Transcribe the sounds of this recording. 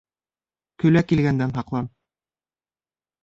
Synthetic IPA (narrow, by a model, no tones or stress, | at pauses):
kɵ̆lækilɡænd̪ænɦɑqlˠɑm